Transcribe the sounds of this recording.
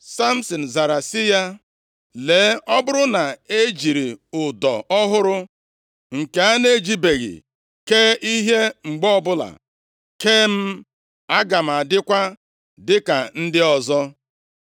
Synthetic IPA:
sa˦m̩˦sɔ˨n̩˨za˨ɾa˨sɪ˦ja˦ | leː˨˦ɔ˦bʊ˦ɾʊ˦na˨e˦d͡ʒi˨ɾi˨ʊ˨dɔ̰˨ɔ˦ɦʊ˦ɾʊ˦ | ŋ̩˨ke˨˦a˦ne˦d͡ʒi˦be˨ɣɪ̰˨ | keː˦i˦ɦe˦ŋ͡m̩˨ɡ͡bɔ˦bʊ˦la̰˨ | keː˦m̩˦ | a˦ɡa˨m̩˨a˨dɪ˦kʷa˦ | dɪ˦ka˨n̩˦dɪ˦ɔ˨zɔ˦

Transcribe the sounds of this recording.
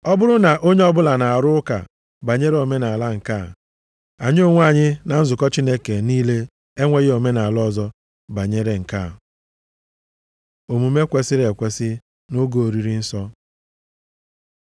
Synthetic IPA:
ɔ˦bʊ˦ɾʊ˦na˨ʔo˦ɲe˦ɔ˦bʊ˦la˨na˨a˨ɾʊ˦ʊ˦ka̰˨ | ba˨ɲe˦ɾe˦o˨me˦na˨a˨la˦ŋ̩˨ka˦˨ | a˨ɲɪ˦o˦ŋʷ˦a˦˨ɲɪ˦na˨n̩˦zʊ˨kɔ˦t͡ʃi˦ne˦ke˨niː˦le˦ | e˦ŋʷe˦ɣe˦o˨me˦na˨a˨lɔ˦˨zɔ˦ | ba˨ɲe˦ɾe˦ŋ̩˨ka˦˨ | o˨mu˨me˦kʷe˦sɪ˦ɾe˨kʷe˨sɪ˦ | no˦ɡo˨o˨ɾi˦ɾi˦n̩˦sɔ˦

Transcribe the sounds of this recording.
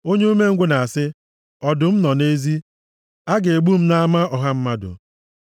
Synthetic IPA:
o˦ɲe˦u˦me˦ŋ̩˦ɡʷʊ˦na˨a˨sɪ˦ | ɔ˨dʊ˨m̩˦nɔ˨ne˦zi˦ | a˦ɡe˨e˨ɡ͡bu˦m̩˦na˦a˦ma˦ʔɔ˨ɦa˦m̩˦ma˦dʊ̰˨

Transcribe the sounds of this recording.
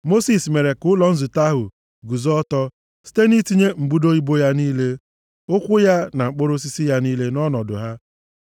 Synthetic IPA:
mo˦si˨sme˨ɾe˨kʊ˦lɔ˨n̩˦zʊ˨ta˦ɦʊ̰˨ | ɡu˨zɔ˦tɔ˦ | si̥˦te˦ni˦ti˦ɲe˦ŋ͡m̩˨ɡ͡bu˦do˦i˦bo˦ja˦niː˦le˦ | ʊ˦kʷʊ˦ja˦na˨ŋ͡m̩˨k͡pʊ˦ɾʊ˦s̬i˦si˦ja˦niː˦le˦nɔ˦nɔ˨dʊ̰˨ɦa˦

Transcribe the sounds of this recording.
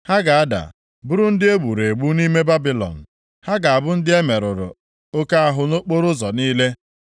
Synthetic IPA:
ha˦ɡa˨a˦da̰˨ | bʊ˦ɾʊ˦n̩˦dɪ˦e˦ɡ͡bu˨ɾe˨ɡ͡bu˦ni˦me˦ba˦bi˦lɔ̰˨n̩˨ | ha˦ɡa˨a˨bʊ˦n̩˦dɪ˦e˦me˨ɾʊ˨ɾʊ̰˨ | o˦ka˦a˦ɦʊ˨no˦k͡po˦ɾʊ˦zɔ˨niː˦le˦

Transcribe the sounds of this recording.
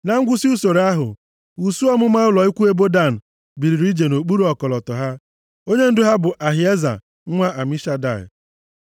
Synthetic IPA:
na˨ŋ̩˦ɡʷʊ˦si˦u˦so˨ɾa˦ɦʊ̰˨ | u˨su˦ɔ˦mʊ˦ma˦ʊ˦lɔ˨i˦kʷu˦e˦bo˦da˦˨n̩˨ | bi˨ɾi˨ɾi˦d͡ʒe˨no˨k͡pu˦ɾu˦ɔ˨kɔ˨lɔ˨tɔ˨ɦa˦ | o˦ɲe˦n̩˦dʊ˦ɦa˦bʊ˨ʔa˨ɦɪ˨e˦za̰˨˦ | ŋʷa˦ʔa˨mi˦ʃa˦da̰˨ɪ̰˨

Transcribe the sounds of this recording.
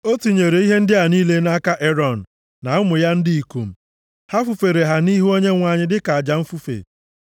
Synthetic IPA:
o˦tu˨ɲe˨ɾe˨i˦ɦe˦n̩˦dɪ˦a˨niː˦le˦na˦ka˦ʔe˦ɾɔ˨n̩˨ | na˨ʊ˦mʊ˨ja˦n̩˦di˦i˨ku˨m̩˦ | ha˦fu˨fe˨ɾe˨ɦa˨ni˦ɦu˦o˦ɲe˦ŋʷa˨ɲɪ˦dɪ˦ka˨a˨d͡ʒa˨m̩˦fu˦fḛ˨

